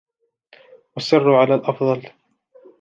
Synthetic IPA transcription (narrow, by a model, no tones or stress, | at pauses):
wasːɪrːʊʕalaːlʔɑfðˤɑl